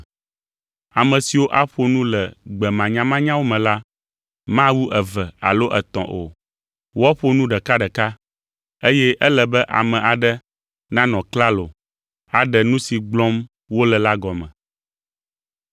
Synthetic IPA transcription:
a˨mɛ̃˨si˨wo˦ʔa˦ɸo˦nũ˦lɛ˨ɡ͡bɛ˨mã˨ɲã˦mã˦ɲã˦wo˦mɛ̃˨la˦ | mã˦wu˦ʔɛ˨vɛ˨a̰˨lo˦ʔɛ˨t̪ɔ̰̃˨ʔo̰˨ | wɔ˦ɸo˦nũ˦ɖɛ˨ka˦ɖɛ˨ka˦ | e˦jɛ˦ʔɛ˦lɛ˨bɛ˦ʔa̰˨mɛ̃˨ʔa˨ɖɛ˦ | nã˦nɔ̃˨kla˦lo˨ | a˨ɖɛ˨nũ˦si˨ɡ͡blɔ̃˦m | wo˦lɛ˨la˦ɡɔ˨mɛ̰̃˨

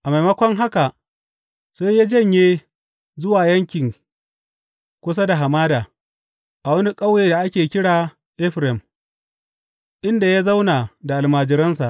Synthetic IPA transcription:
ʔa˨ma˨jmɐ˦kʷɔ˦ŋɦa˦ka˨ʔ | seː˦jjaː˦d͡ʒɐ˦˨ɲjeː˦ | zʊ˦waː˨jɐ˦ŋkʲɪ˨ŋ | kʷʊ˦s̬a˦da˨ɦa˨maː˦daː˨ | ʔa˨wɐ˦ni˦kʼɐ˦wjeː˨da˨ʔa˦kʲeː˨kʲɪ˦ɽaː˨ | ʔɪ˦ɸɾɛ˨m | ʔɪ˦nda˨jaː˦za˦wnaː˨da˨ʔa˨lmaː˨d͡ʒɪ˨ɾɐ˦nsa˨ʔ

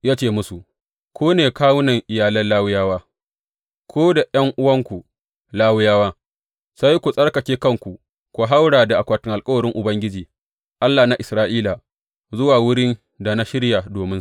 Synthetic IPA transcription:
jaː˦t͡ʃeː˦˨mʊ˦su˨ | kʷʰoː˦neː˨kaː˦wʊ˦nɐ˨ŋʔɪ˨jaː˨lɐ˦nlaː˦wʊ˦jaː˦waː˦ | kʰʷoː˦da˨jɐ˦ŋʔʊ˦wɐ˦ŋkʷu˨ | laː˦wʊ˦jaː˦waː˦ | sa˦jkʷu˨sʼɐ˦ɽkɐ˨kʲeː˦kɐ˦ŋkʷu˨ | kʷu˨ɦa˦wɽaː˨da˨ʔa˨kʷaː˨tɪ˦ŋʔa˨lkʼɐ˦wɐ˨ɽɪ˦ŋʔʊ˨bɐ˦ŋɡʲɪ˦d͡ʒiː˨ | ʔa˦lːaː˨na˦˨ʔɪ˨sɾaː˦ʔiː˦la˨ | zʊ˦waː˨wʊ˦ɽɪ˦n | da˨na˦ʃɪ˦ɽja˨doː˨mɪ˦s

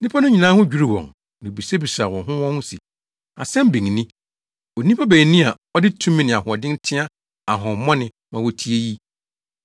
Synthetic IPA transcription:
nɪ̃˦pʰa˦nʊ̃˦ɲĩ˨nãː˦hʊ̃˦d͡ʑᶣu˦ɾi˦˨wɔ̰̃˨ŋ | nɪ̃˨bi˨se˦bi˨sa˨wɔ̃˨ɦʊ̃˦wɔ̃˦nʊ̃˦sḭ˨ | a̰˨sɛ̃˦m˦bĩ˨ŋ˨nĩ˦ | o˨nĩ˦pʰa˦bæː˨nĩ˦a˨ | ɔ˦dɪ˦tʰũ˦mĩ˦nɪ̃˨a˨hʊ˨ɔ˨dɪ̃˦n˦tʰɪ̃˦a˦ | a˨ɦɔ̃˨˦mːɔ̃˦nɪ̃˨ | mã˨wɔ˦tʰi˦e˦ji˦

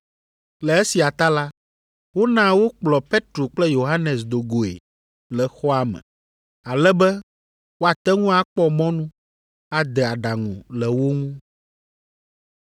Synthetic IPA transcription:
lɛ˨e˦si˨a˨t̪a˦la˦ | wo˦nã˦wo˦k͡plɔ˨pe˦t̪ɾo˨k͡plɛ˦jo˨ɦa˦nɛ˨s̬d̪o˨ɡo˨ḛ˨ | lɛ˨xɔ˦a˨mɛ̰̃˨ | a˨lɛ˦bɛ˦ | wo˦a˨t̪ɛ˦ŋũ˦a˨k͡pɔ˦mɔ̃˦nũ˦ | a˨d̪ɛ˨a˨ɖa˨ŋṵ̃˨lɛ˨wo˦ŋũ˦

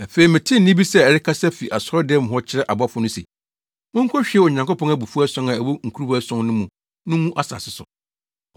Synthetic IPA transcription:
æ˨fe˨i˨mɪ̃˨tʰɪ̃˦n̩˨nɪ̃˦bi˦sɛ˦ɛ˨ɾɪ˦kʰa˦sɛ˦fi˨ʔa˨sɔ˦ɾɔ˦dɪ˦ɛ˦m̃˨ɦɔ˦t͡ɕʰɪ˦ɾɛ˦ʔa˨ba˦fʊ˦nʊ̃˦sḛ˨ | mʊ̃˦ŋ̩˦kʰɔ˦ɕᶣɪ˨˦ɛ˦ɔ˨ɲã˨ŋkʊ˦pɔ̃˦ŋæ˦bu˨fu˦æ˦sɔ̃˦nã˨æ˨wo˦ŋ̩˨kʰu˦ɾu˦bsɔ̃˦nnʊ̃˦mũ˨ | nʊ̃˦ũ˦ʔa˦sa̰˨sɪ˦sʊ̰˨

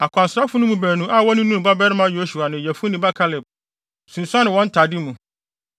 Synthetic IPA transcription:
a˨kʰʷʊ˨a˨sɾa˦fʊ˦nʊ̃˦mũ˨bæ˨nũ˦ʔa˦˨wɔ˦nʊ̃˦nũ˦˨ba˦bɛ˦ɾɪ˦mã˦jo˨˦su˨a˨nʊ̃˨jæ˨fʊ˦nĩ˨ba˦kʰa˦lɪ˨b̚ | sũ˨n˨sʊ˦a˦nɪ̃˨wɔ̃˦n̩˦tʰa˨dɪ˦mũ˨

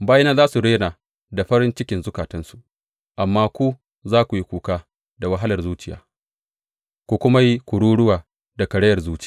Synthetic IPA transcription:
baː˦ji˦naː˦zaː˦su˨ɽeː˦na˨ | da˨ɸɐ˦ɾɪ˦nt͡ʃɪ˦kʲɪ˨nzʊ˦kaː˨tɐ˦nsu˨ʔ | ʔa˨mːaː˦kʷu˦ | zaː˦kʷu˨ji˦kʷuː˨kaː˦ | da˨wɐ˦ɦa˦lɐ˨rzuː˦t͡ʃɪ˨ja̰ː˨˦ | kʷu˨kʷʊ˦ma˦ji˦kʷʊ˨ɽuː˦ɽʊ˦waː˨ | da˨kɐ˨ɽɐ˦jɐ˨rzuː˦t͡ʃɪ̥˦˨j

